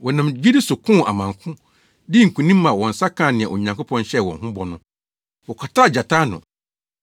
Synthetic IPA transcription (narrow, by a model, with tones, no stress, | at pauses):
wɔ˨nã˨md͡ʑi˦dɪ˦sʊ˨kʰʊ̃˦˨ʔa̰˨mã˨ŋkʰʊ̃˦ | dɪ˦ŋ̩˨kʰũ˨nĩ˦mã˨wɔ̃˨n˨sa˦kʰã˦˨nɪ̃˨a˨ʔo˨ɲã˨ŋkʰo˦pʰɔ̃˦nɕɛ˦˨wɔ̃˨nɦʊ̃˦bɔ˨nʊ̃˦ | wɔ˨kʷʰa˨tʰa˦˨d͡ʑa˨tʰa˦nʊ̰̃˨